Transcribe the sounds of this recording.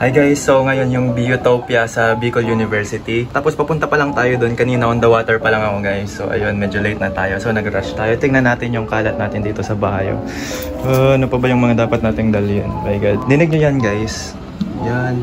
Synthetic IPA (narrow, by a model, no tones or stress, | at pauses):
ʔɐjɡajsːowŋɐjo̞njʊŋbijot̪opjɐsɐbiːkoljunɪvɛɹsɪt̪it̪aːpo̞spɐpʊnt̪ɐpɐlɐŋt̪aːjod̪o̞nkɐniːnɐʔond̪ɐwaːt̪ɛɹpɐlɐŋɐko̞ɡajsːoʔɐ̰jo̞nmɛd͡ʒolejt̪̚nɐt̪aːjo̞sonɐɡɾaʃt̪aːjot̪ɪŋnɐnːaːt̪ɪnjʊŋkaːlɐt̪naːt̪ɪnd̪iːt̪o̞sɐbɐhajo̰ | ʔonopɐbɐjʊŋmɐŋad̪aːpɐt̪̚naːt̪ɪŋd̪ɐljo̰nmajɡad̪̚d̪ɪnɪɡ̚ɲojanɡajs | jan